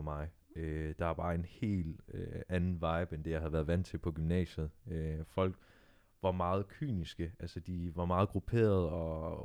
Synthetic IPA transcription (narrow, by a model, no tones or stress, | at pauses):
mɑ̈ɪ | ød̥ɑ̈æb̥ɑ̈ːe̝nhe̝̰ːl̥øænn̩ʋɑ̈ɪb̥end̥ejɑ̈ɪhæðˠʋæːɐðˠʋæn̰d̥t͡sʰe̝lpʰɒ̽ɡ̥ymnɛ̰ːɕəð̩ˠøfɒ̽l̰ɡ̥ | ʋɑ̈mɑ̈ːð̞̩ˠkʰy̰ːnisɡ̥əʔælsəd̥iʋɑ̈mɑ̈ːð̩ˠɡ̥ʁupʰe̝̰ːɐð̞̩ˠɒ̽